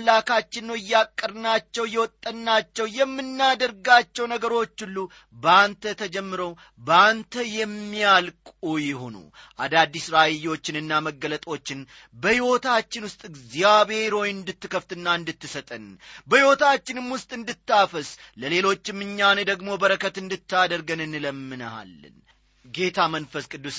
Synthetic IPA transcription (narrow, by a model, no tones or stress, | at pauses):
lakʰat͡ʃːɪnːowɪjːakʼːəɾɨnat͡ʃːɛwjːɛwɔt̪ʼːənːat͡ʃːɛwjɛmːɨnːad̪əɾɡat͡ʃːɛwnəɡəɾo̞t͡ʃːɨlːu | bəant̪ʰət̪ʰəd͡ʒɛmːɨɾəw | bəant̪ʰəjɛmːijalkʼujɪɦo̞̰nṵ | ʔa̰d̪ad̪ːisɾaɪjːo̞t͡ʃːɪnɨnːaməɡːələt̪ʼo̞t͡ʃːɪn | bəhiwo̞t̪ʰat͡ʃːɪnwʊst̪ʼɨɡzjaβe̞ɾo̞jɪnd̪ɨt̪ːɨkʰəft̪ɨnːaɨnd̪ɨt̪ːɨsət̪ʼənbəhiwo̞t̪ʰat͡ʃːɪnɨmwʊst̪ʼɨnd̪ɨt̪ːafəsləle̞lo̞t͡ʃːɪmːɨɲːaned̪əɡmo̞bəɾəkʰət̪ɨnd̪ɨt̪ːad̪əɾɡənɨnɨləmːɨnəha̰lːɨ̰n | ɡe̞t̪ʰamənfəskʼɨd̪ːus